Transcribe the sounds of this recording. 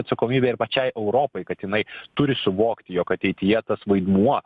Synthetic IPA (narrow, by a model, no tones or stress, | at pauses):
ɐt̪sɐkoːmʲiːbʲeːɪɾpɐt͡ʃʲɛɪʔɛʊɾoːpɐɪkɐt̪jɪnɐɪt̪ʊɾʲɪsʊʋoːkt̪ʲɪjoːkɐt̪ʲɛɪt̪ʲɪjɛt̪ɐsʋɐɪd̪muɔ